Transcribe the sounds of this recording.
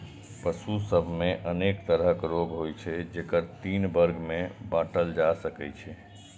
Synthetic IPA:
pəsusəbʱmeʔənekt̪əɾɦəkɾoɡɦojt͡ʃʰɛd͡ʒekəɾt̪inbəɾɡmẽbãʈəld͡ʒasəkɛt͡ʃʰɛ

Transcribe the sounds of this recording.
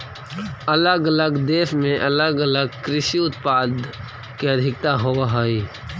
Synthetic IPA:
ələɡələɡd̪eːsmẽʔɐləɡələɡ̚kɾɪʃiʊt̪paːd̪ | keəd̪ʱɪk̚t̪aɦoaɦoi

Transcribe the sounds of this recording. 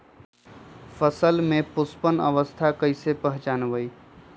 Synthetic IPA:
fʰəsəlmẽpʊspənə̰ʋəst̪ʰakəɪsepəɦt͡ʃaːnʋəi

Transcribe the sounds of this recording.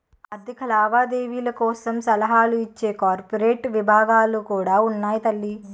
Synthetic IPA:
ɐd̪ʱːikʰɐlaːʋaːd̪eːʋiːlɐkɔːsɐmsɐlɐɦaːluit͡ʃːe̞ːkaːɾpɐɾeːʈʋibʱaːɡaːlukuːɽaːunːaːjit̪ɐlːi

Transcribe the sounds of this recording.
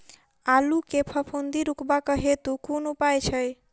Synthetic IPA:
alukepʰəpʰond̪iɾukbakəɦet̪ukunupajt͡ʃʰəj

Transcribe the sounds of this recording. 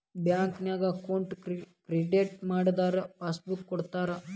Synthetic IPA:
bjaːŋknjaːɡɐkoɳʈkɾiɖeːʈmaːɽd̪aːɾɐpaːsbukːɔɽt̪aːɾe

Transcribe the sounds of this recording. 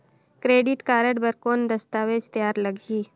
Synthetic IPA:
kɾeːɖɪʈkaːɾəɖbəɾkoːnd̪ɐst̪aːʋed͡ʒt̪əjaːɾlɐɡʱiː

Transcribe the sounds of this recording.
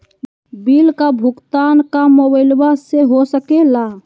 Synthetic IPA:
bilkabʱukt̪ankamobəɪlbaseɦosəkela

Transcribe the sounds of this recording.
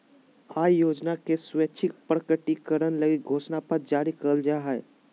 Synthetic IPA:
aːjoːd͡ʒnakeswet͡ʃʰɪk̚pɾəkəʈikəɾənləɡik̚ɡʱoːʃnapəɾd͡ʒaːɾikəld͡ʒaɦɛː

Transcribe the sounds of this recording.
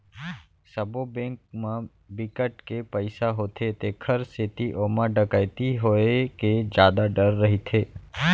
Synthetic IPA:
səbobẽːŋk̚mã | bɪkəʈkepəɪsaɦoːt̪ʰet̪ekʰəɾset̪iʔoːmãɖəkajt̪iɦoeked͡ʒjaːd̪aɖəɾːəɦit̪ʰeː

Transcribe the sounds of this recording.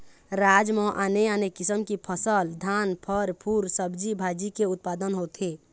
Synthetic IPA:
ɾad͡ʒmɔ̃ʔaneanekisəmkipʰəsəld̪ʱanpʰəɾpʰuɾsəbd͡ʒibʱad͡ʒikeut̪̚pad̪ənɦot̪ʰe

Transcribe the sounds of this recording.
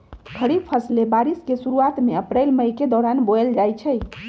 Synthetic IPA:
ɡʰʱəɾib̚pʰəslebaɾiskesuɾuat̪meəpɾejlməjked̪ɔɾanboeld͡ʒajt͡ʃʰɛj

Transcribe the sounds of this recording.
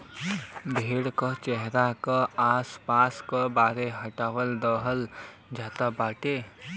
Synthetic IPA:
bʱeːɽkət͡ʃɛɦɾakaaːspaːskəbaːɾeɦəʈaːwəld̪əɦəl | d͡ʒaːt̪abaːʈe

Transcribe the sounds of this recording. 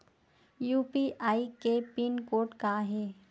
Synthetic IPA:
juːpiʔaːikepinkoːɾʈkaɦeː

